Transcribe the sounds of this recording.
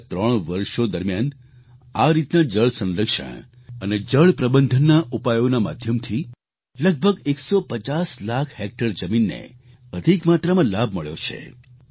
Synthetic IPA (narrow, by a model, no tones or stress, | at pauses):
t̪ɾəɳ̃ʋəɾʃod̪əɾmjan | aɾit̪nad͡ʒəɭsə̃nɾəkʃə̰ɳ̃ | əned͡ʒəɭpɾəbənd̪ʱənːaʔupajonama̰d̪ʱjəmt̪ʰi | ləɡ̚bʱəɡeksopət͡ʃaslakʰhek̚ʈəɾd͡ʒəminːḛ | əd̪ʱikmat̪ɾamãlab̚ʱməɭjo̰t͡ʃʰḛ